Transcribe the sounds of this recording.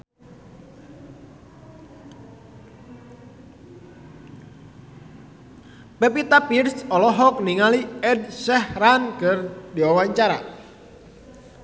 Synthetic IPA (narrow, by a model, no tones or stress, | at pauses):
pɛpit̪apirsɔlɔɦɔk̚niŋaliɛdsɛhrankərdiwawaɲt͡ʃaɾa̰